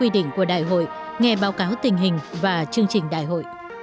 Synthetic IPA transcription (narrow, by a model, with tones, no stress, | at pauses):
wi˧ɗḭ˧˨ŋ̟ku˧˩əɗa̰ː˧˨jɦo̰˧˨j | ŋɛ˧ɓaː˨˦wkaː˨˦wt̪ï˨˩ŋ̟ɦï˨˩ŋ̟vaː˨˩t͡ɕɨ˧əŋt͡ɕï˨˩ŋ̟ɗa̰ː˧˨jɦo̰˧˨j